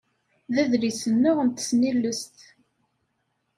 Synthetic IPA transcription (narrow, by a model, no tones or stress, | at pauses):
ðæðɾisənːʊʁənt̪ə̥snilːəst̪